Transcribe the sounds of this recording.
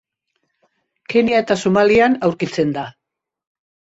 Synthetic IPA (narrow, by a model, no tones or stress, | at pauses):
keniaet̪asumalianawɾkit͡se̞nd̪a